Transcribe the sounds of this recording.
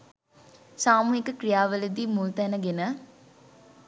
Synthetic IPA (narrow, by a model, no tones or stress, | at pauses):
saːmuɦikəkrijaːʋələd̪iːmult̪ænəɡenə